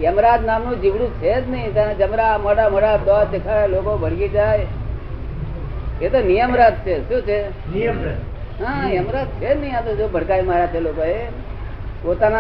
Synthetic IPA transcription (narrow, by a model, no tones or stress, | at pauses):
jəmɾaːt̪naːmnũːd͡ʒɪʋɽũt͡ʃʰet̪nəĩt̪and͡ʒəmɾaməɽaməɽaːd̪əʋaːd̪ekʰaːɾaloːkobʱəɽɡid͡ʒaːj | et̪onijəmɾat̪̚t͡ʃʰeʃũːt͡ʃʰe | ɦãjəmɾaːt̪̚t͡ʃʰeːd͡ʒnəɦĩãt̪od͡ʒoːbʱəɽkaːimaːɾat͡ʃʰeloːkoɦe | poːt̪aːna